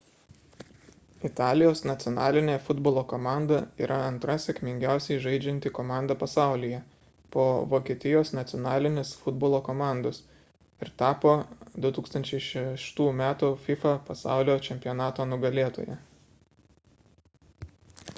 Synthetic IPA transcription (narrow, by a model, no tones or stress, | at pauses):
ɪt̪ɑːlʲɪjoːsnɐt̪sʲɪɔnɑːlʲɪnʲeːfʊd̪boːlˠoːkɔːmɑˑnd̪ɐiːɾʔɐɐnt̪ɾɐsʲɛkʲmʲɪŋʲɡʲæˑʊsʲɛɪʒɐɪd͡ʒʲɛnʲt̪ʲɪkoːmɑˑnd̪ɐpɐsɑˑʊlʲɪjɛ | poːʋoːkʲiɛt̪ʲɪjoːsnɐt̪sʲɔnɑːlʲɪnʲɪsfʊd̪boːlˠoːkoːmɑˑnd̪os | ɪɾt̪ɑːpoːd̪ʊt̪uːkst̪ɐnʲt͡ʃʲɛɪʃʲɛʃt̪uːmʲæːt̪ʊfʲɪfɐpɐsɑ̰ˑʊlʲoːt͡ʃʲɛmʲpʲɪjɔnɑːt̪oːnʊɡɐlʲeːt̪o̰ːjɛ̰